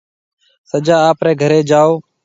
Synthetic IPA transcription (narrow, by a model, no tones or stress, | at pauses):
səd͡ʒaːaːpɾeːɡʱəɾeːd͡ʒaːoː